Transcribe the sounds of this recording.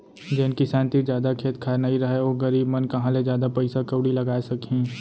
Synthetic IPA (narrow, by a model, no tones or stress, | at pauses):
d͡ʒenkisɛ̃ːnt̪id͡ʒjaːd̪akʰeːt̪kʰaːɾnɐiɾɐɦeoːɡɐɾiːbmɐnkɐɦãled͡ʒjaːd̪apɐɪsakəwɽilɐɡaːesɐkĩː